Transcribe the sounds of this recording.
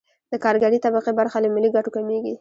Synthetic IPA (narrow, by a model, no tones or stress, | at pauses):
d̪̥əkɑɾɡaɽit̪abaqebaɾxaləmɪliɡaʈokameɡi